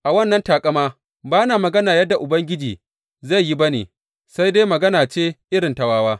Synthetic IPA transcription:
ʔa˨wɐ˦˨nːɐ˦ntaː˨kʼɐ˦maː˦ | baː˦naː˨mɐ˨ɡɐ˦naː˨jɐ˦dːa˨ʔʊ˨bɐ˦ŋɡʲɪ˦d͡ʒiː˨ | za˦˨jji˦bɐ˦nḛː˨ | sa˦jde˦mɐ˨ɡɐ˦naː˨t͡ʃeː˦ʔɪ˦ɾɪ˨ntɐ˨waː˦waː˦

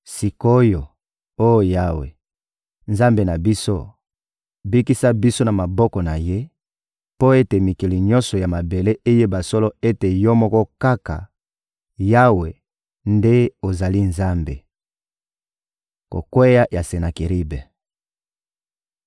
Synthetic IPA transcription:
si˨ko˦jo˨ | o˦jo˨ja˦wḛ˨ | nza˦mbe˨na˨bi˦so˦ | bi˦ki˦sa˦bi˦so˦na˨ma˨bɔ˦kɔ˨na˨je˦ | po˦e˦te˨mi˨ki˨li˨ɲɔ̃˦nsɔ˨ja˨ma˨be˨le˦ʔe˦je˦ba˨sɔ˦lɔ˦e˦te˨jɔ˦mɔ˦kɔ˦ka˦ka̰˨ | ja˦we˨ | nde˦o˨za˨li˦nza˦mbe˨ | ko̰˨kwe˦ja˦ja˨se˨na˨ki˨ʁi˦bɛ˨

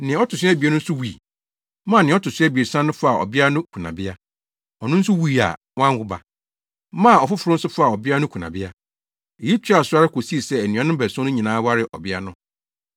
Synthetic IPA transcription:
nɪ̃˨˦ɔ˦tʰʊ˨sɥɛ˦bi˨ɛ˦nʊ̃˦n̩˦sʊ˦wu˨i˨ | mã˦˨nɪ̃˨˦ɔ˦tʊ˨sɪ˦ɛ˦bi˨e˨sã˦nːʊ̃˦fa˦a˨ɔ̰˨bɪ˦a˦nʊ̃˦kʰu˨nã̰˨bɪ˦a˦ | ɔ˨nʊ̃˦n̩˦sʊ˦wu˦i˨a̰˨ | wã˦hʊ˦ba̰˨ | mã˦˨ɔ˨fʊ˦fʊ˨ɾʊ˦n̩˦sʊ˦fa˨ɔ˨bɪ˦a˦nʊ̃˦kʰu˨nã̰˨bɪ˦a˦ | e˨ji˦t͡ɕʰᶣi˦a˨sʊ˦a˦ɾɪ˦ko˨si˦˨sɛ˦æ˨nũ˨ã˦nʊ̃˦bɛ˨sʊ̃˦nʊ̃˦ɲĩ˨nãː˦wa˦ɾɪ˦˨ʔɔ̰˨bɪ˦a˦nʊ̃˦

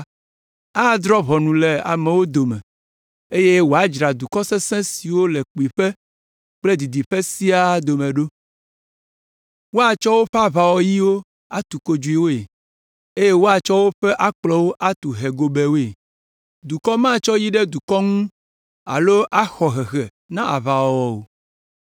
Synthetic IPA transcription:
a˦d̪ɾɔ˦βɔ˨nũ˨le˨a̰˨mɛ˨wo˦d̪o˨mɛ̰̃˨ | e˦je˦wo˨a˦d͡ʒɾa˨d̪u˨kɔ˦sɛ˦sɛ̃˦si˨wo˦le˨k͡pi˨ɸe˦ | k͡ple˦d̪i˨d̪i˨ɸe˦si˦a˦d̪o˨mẽ˨ɖo˦ | wo˦a˨t͡ʃɔ˦wo˦ɸɛ˦a˦βa˨wɔ˨˦ji˦wo˦ | a˦t̪u˨ko˦d͡ʒu˨i˨wo˦e˨ | e˦je˦wo˦a˨t͡ʃɔ˦wo˦ɸɛ˦ʔa˦k͡plɔ˦wo˦ʔa˦t̪u˨ɦe˨ɡo˨be˨wo˦e˨ | d̪u˨kɔ˦mã˦t͡ʃɔ˦ji˦ɖɛ˦d̪u˨kɔ˦ŋũ˦ | a̰˨lo˦ʔa˦xɔ˨ɦɛ˨ɣɛ˨ | nã˦ʔa̰˨va˨wɔ˨wɔ˨wo˨

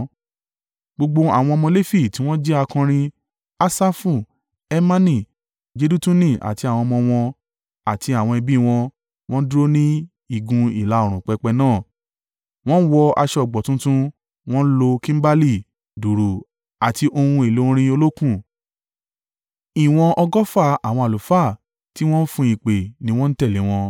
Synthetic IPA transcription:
ɡ͡bo˧ɡ͡bo˧a̰˨w̃ɔ̃˧ɔ˧mɔ̃˧le˦fi˦˨tĩ˨˦w̃ɔ̃˦d͡ʒɛ˦a˧kã˧ɾ̃ĩ˧ | a˧sa˦fũ˦˨ | ɛ˦mã˦nĩ˦˨ | d͡ʒe˧du˦tũ˦nĩ˦˨ʔa̰˨ti˧a˨w̃ɔ̃˧mɔ̃˧w̃ɔ̃˧ | a˨tʰi˧a˨w̃ɔ̃˧ɛ˧bi˦˧w̃ɔ̃˧ | w̃ɔ̃˦dɾo˦nĩ˦ | i˦˨ɡũ˧i˦˨la˨˧o˨ɾ̃ũ˨k͡pɛ˨˧k͡pɛ˧nãː˦˨ | w̃ɔ̃˦n̩˦wɔ˧a̰˧ʃɛ˧ɔ˨ɡ͡bɔ˨tũ˦tũ˦ | w̃ɔ̃˦n̩˦lo˧kĩ˦m̩˦ba˦li˦˨ | du˨ɾu˨ | a˨ti˧ʔo˧hũ˧e˨lõ˨˦˧ɾ̃ĩ˧o˧lo˦kũ˦˨ | i˨w̃ɔ̃˧ʔɔ˧ɡɔ˦fa˦˨a˨w̃ɔ̃˧a˨lo˨fa˦˨ | ti˦w̃ɔ̃˦n̩˦fũ˧i˨k͡pe˨nĩ˦w̃ɔ̃˦n̩˦tɛ˦˨le˨˦w̃ɔ̃˧

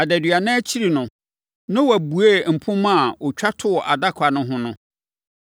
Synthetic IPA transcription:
a˨dæ˨dɥa˨nã˦t͡ɕʰi˦ɾi˨nʊ̃˨ | nã˦wa˨bu˨e˦m̩˨pʰʊ̃˦mã˦a˨ɔ˨t͡ɕᶣa˦tʰʊ˦ɔ˨ʔa˨da˦kʷʰa˨nʊ̃˦ɦʊ̃˦nʊ̃˦

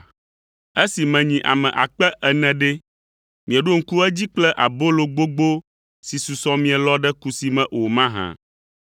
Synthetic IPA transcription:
e˦si˨mɛ̃˨ɲĩ˨ʔa̰˨mɛ̃˨ʔa˨k͡pɛ˦ʔɛ˨nɛ̃˨ɖɛ˦ | mĩ˨ɛ˨ɖo˦ŋ̩˦ku˦ɛ˦d͡ʑi˦k͡plɛ˦ʔa˨bo˦lo˨ɡ͡bo˦ɡ͡bo˦ | si˨su˨sɔ̃˦mĩ˦ɛ˨lɔ˦ɖɛ˦ku˨si˨mɛ̃˨ʔo˨mã˦ɦã̰˨

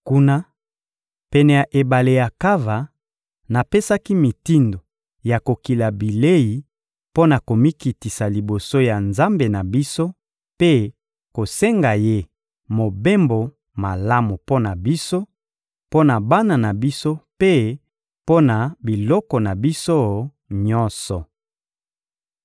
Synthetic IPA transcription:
ku˦na˦ | pɛ˨nɛ˨ja˨ʔe˨ba˨le˨ja˨ka˦va˨ | na˨pe˦sa˦ki˦mi˨ti˦ndo˨ | ja˨ko˨ki˨la˨bi˨le˦ji˨ | po˦na˨ko˨mi˦ki˨ti˨sa˨li˨bo˨so˦ja˨nza˦mbe˨na˨bi˦so˦ | pe˦ | ko˨se˦ŋɡa˨je˦ | mo˨be˦mbo˨ | ma˨la˦mu˨po˦na˨bi˦so˦ | po˦na˨ba˦na˨na˨bi˦so˦pe˦ | po˦na˨bi˨lɔ˦kɔ˨na˨bi˦so˦ | ɲɔ˦nsɔ˨

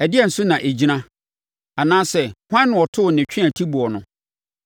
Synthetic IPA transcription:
æ˨dɪ˦ɛ˨n̩˨sʊ˦nã˨ʔe˨d͡ʑi˦nã˦ | a˨nãː˦sɛ˦hʷã˦nːʊ̃˨ɔ˨tʰʊ˦ʊ˨nɪ̃˨t͡ɕᶣʰɪ̃˦ã˨tʰi˦bu˨ɔ˨nʊ̃˨

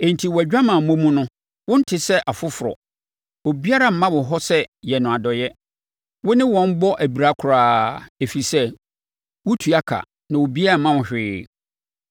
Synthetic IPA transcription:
ẽ˨n̩˨tʰi˨wɔ˨æ˨d͡ʑᶣa˦mã˨m̩˨mõ˦mũ˦nʊ̃˦ | wʊ̃˦n̩˦tʰɪ˦sɛ˦ʔa˨fʊ˦fʊ˨ɾɔ̰˨ | o˨bi˦a˦ɾa˦m̩˨˦mã˦wʊ˨ɦɔ˦sɛ˦jɛ˨nʊ̃˨a˨dɔ˨jɛ˦ | wʊ˦nɪ̃˦wɔ̃˦n˦bɔ˦ʔæ˨bi˨ɾa˦kʰʊ˨ɾaː˦e˨fi˨sɛ˦ | wʊ˦tʰu˨a˦kʰa̰˨ | nã˨wo˨bi˦a˦ɾa˨mã˦wʊ̃˨ɕᶣɪː˦

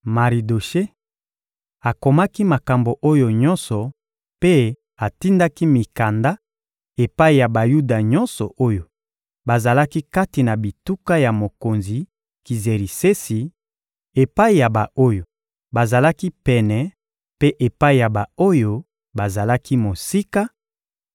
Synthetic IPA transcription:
ma˨ʁi˨do˨ʃe˦ | a˨ko˨ma˦ki˦ma˨ka˨mbo˨ʔo˦jo˨ɲɔ̃˦nsɔ˨ | pe˦ | a˨ti˦nda˦ki˦mi˨ka˨nda˦ | e˨pa˦i˨ja˨ba˨ju˦da˨ɲɔ˦nsɔ˨ʔo˦jo˨ | ba˨za˨la˦ki˦ka˦ti˨na˨bi˨tu˦ka˦ja˨mo˨ko˨nzi˨ | ki˨ze˨ʁi˨se˦si˨ | e˨pa˦i˨ja˨ba˨o˦jo˨ | ba˨za˨la˦ki˦pɛ˨nɛ˨ | pe˦ʔe˨pa˦i˨ja˨ba˨o˦jo˦ | ba˨za˨la˦ki˦mo˨si˦ka˦

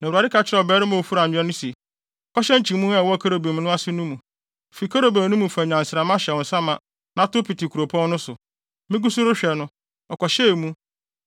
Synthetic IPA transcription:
nã˨ɾa˨dɪ˦kʰa˨t͡ɕʰɪ˦ɾɛ˦˨ɔ˨bɛː˦ɾɪ˦mã˨o˨fu˦ɾã˨˦ɛ˦nʊ̃˦si˨ | kʰɔ˦ɕɛ˦ɲ˦t͡ɕʰĩ˨mũ˦ɛ˦˨wɔ˦˨kʰa˦ɾo˨bi˨m˨˦nʊ̃˦a˦sɪ˦nũ˦mũ˨ | fi˨kʰa˦ɾo˨ba˨nũ˦mũ˨fa˨ɲᶣ˨ã˨n̩˨sɪ˨ɾa˨mã˦ɕɛ˨wɔ˨sã˦mã˨ | nã˨˦to˦pi˨tɪ˨kʰu˨ɾo˨pʰɔ̃˦n˦nʊ̃˦sʊ˨ | mɪ̃˦ɡu˦su˦ɾʊ˦ɕᶣɛ˨nʊ̃˦ | ɔ˨kɔ˨ɕɛ˦˨mũ˦

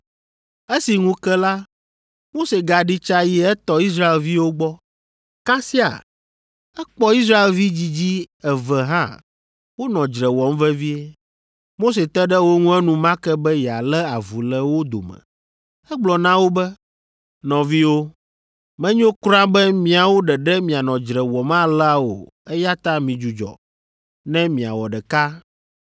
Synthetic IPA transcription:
e˦si˨ŋũ˦kɛ˦la˦ | mo˦se˨ɡa˨ɖi˦t͡ʃa˦jɛ˨ɛ˦t̪ɔ˦i˦s̬ɾa˦e˨lvi˦wo˦ɡ͡bɔ˦ | ka˦si˦a̰˨ | ɛ˦k͡pɔ˦i˦s̬ɾa˦e˨lvi˦d͡ʑi˦d͡ʑi˦ɛ˨vɛ˨ɦã̰˦ | wo˦nɔ̃˨d͡ʒɾɛ˨wɔ˨mvɛ˦vi˦e˦ | mo˦se˨t̪ɛ˦ɖɛ˦wo˦ŋũ˦ɛ˦nũ˨mã˦kɛ˦bɛ˦jɛ˨a˨lɛ˦a˨vu˨lɛ˦wo˦d̪o̰˨mɛ̰˨ | ɛ˦ɡ͡blɔ˨nã˦wo˦bɛ˦ | nɔ̃˨vi˦wo˦ | mɛ̃˦ɲõ˦kɾã˦bɛ˦mĩ˨a˨wo˦ɖɛ˨ɖɛ˦mĩ˨a˨nɔ̃˨d͡ʒɾɛ˨wɔ˨mã˦la˨wo̰˨ | ɛ˦ja˦t̪a˦mĩ˨d͡ʒu˨d͡ʒɔ̰˨ | nɛ̃˦mĩ˨a̰˨wɔ˨ɖɛ˨ka˦

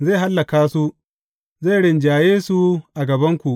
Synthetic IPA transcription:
ze˦˨ɦa˦lːɐ˨kaː˦su˦ʔ | ze˦˨ɽɪ˨nd͡ʒaː˨jeː˦su˦ʔa˨ɡɐ˨bɐ˦ŋkʷu˨ʔ

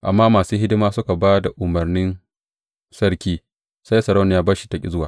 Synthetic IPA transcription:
ʔa̰˨mːaː˦maː˨suː˦hɪ˦dɪ˦maː˦sʊ˦ka˨baː˦da˨ʔʊ˨mɐ˨rnɪ˦n | sɐ˦ɽkʲiː˦ | sa˦jsɐ˨ɾa˦wnɪ˨jaː˦baː˦ʃi̥˦tɐ˨kʲʼɪ̰˦zʊ˦waː˨

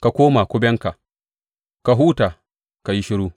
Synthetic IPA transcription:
ka˨kʷoː˦ma˨kʷʊ˦bʲɛ˦ŋka˨ | ka˨ɦuː˦taː˨ | ka˨ji˦ʃɪ˦ɾuː˦

